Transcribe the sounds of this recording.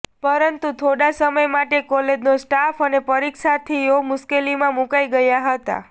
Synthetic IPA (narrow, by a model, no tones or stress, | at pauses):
pəɾənt̪ut̪ʰoɽasəməjmaʈekɔled͡ʒnosʈafənepəɾikʃat̪ʰiomʊskelimãmukajɡəjaɦət̪a̰